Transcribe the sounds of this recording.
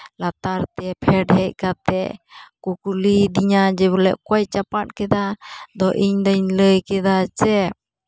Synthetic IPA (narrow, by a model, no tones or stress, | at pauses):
lat̪aɾt̪ɛpʰɛɖɦɛc̚kat̪ɛʔkukulid̪iɲad͡ʒɛbulɛʔkɔjt͡ʃapat̚kɛd̪ad̪ɔʔiɲd̪əɲləjkɛd̪at͡ʃɛ